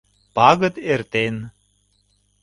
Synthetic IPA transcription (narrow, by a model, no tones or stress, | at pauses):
pɑɣə̆t̪ert̪en